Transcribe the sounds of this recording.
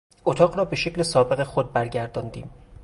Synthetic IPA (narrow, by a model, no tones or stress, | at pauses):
ʔot̪ʰɒːɣrɒːbe̞ʃecʰlesɒːbe̞ɣexod̪̚bæɾɟæɾd̪ɒːnd̪ḭːm